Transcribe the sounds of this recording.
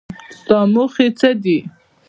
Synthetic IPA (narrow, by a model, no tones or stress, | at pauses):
st̪ɑmuχit͡səd̪i